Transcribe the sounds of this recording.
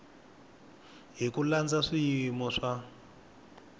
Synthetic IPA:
ɦikuland͡zaʂijimɔʂa

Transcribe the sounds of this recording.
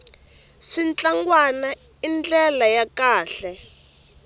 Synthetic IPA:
ʂint͡ɬʼaŋɡwana | ind͡ɮɛlajakaːɬɛ

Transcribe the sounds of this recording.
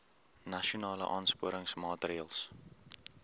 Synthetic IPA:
nɐʃunɑːlə̰ʔɑːnspuəɾəŋsmɑːtriəlˠs

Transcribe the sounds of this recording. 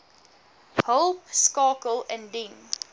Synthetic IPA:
holpskɑːkəlɛ̃ndĩn

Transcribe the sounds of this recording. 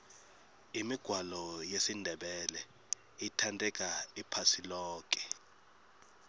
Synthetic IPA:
imiɡ̥ʱwalɔjesindʱɛɓɛlɛ | itʰantʼɛk̬ʼaipʰasilɔːk̬ʼɛ̥

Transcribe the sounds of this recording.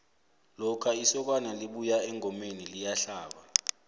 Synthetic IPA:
lɔkʰaisɔk̬ʼwanaliɓujaɛŋʱɔmenilijaɬaːɓa

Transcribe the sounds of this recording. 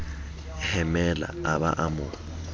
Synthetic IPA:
hɛmɛla̰aba̰ʔamʊ

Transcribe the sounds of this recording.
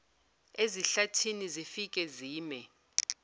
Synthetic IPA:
eziɬatʰinizifikʼɛziːmɛ

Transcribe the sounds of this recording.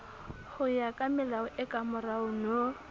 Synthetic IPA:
hʊjakʼamɛlaʊʔɛkʼamʊraʊno

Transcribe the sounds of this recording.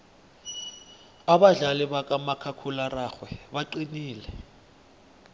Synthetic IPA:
aɓaɮaliɓak̬ʼamakʰakʰularaxwɛɓaǃiniːlɛ

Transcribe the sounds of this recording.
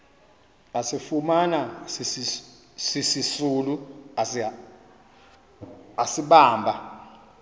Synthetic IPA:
asifumanasis | sisisuluas | asiɓaːmbʱa

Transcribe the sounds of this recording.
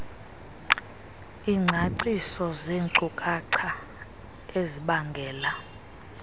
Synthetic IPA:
iŋ͡ǀʱaǀisɔzeːŋǀukʼaǀʰa | eziɓaŋɡʱɛːla

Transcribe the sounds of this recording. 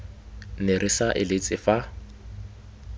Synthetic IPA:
nerʔɪsaʔɪlɪt͡sʼɪfa

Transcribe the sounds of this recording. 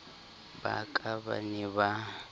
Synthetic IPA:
ba̰kʼaβa̰niβa

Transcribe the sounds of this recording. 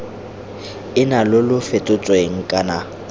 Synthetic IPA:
ɪnalʊlʊfetʼʊt͡sʼweŋ̩kʼana

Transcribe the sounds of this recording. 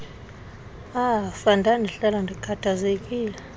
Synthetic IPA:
afandʱanɛɬalandʱikʰatʰazek̬ʼiːlɛ

